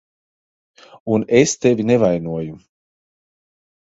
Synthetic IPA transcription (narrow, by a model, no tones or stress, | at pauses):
unest̪evʲinevajnuɔju